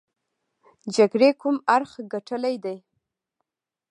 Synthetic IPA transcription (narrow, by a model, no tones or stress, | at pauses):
d͡ʒaɡɽekumaɾxɡaʈʰəlajd̪aj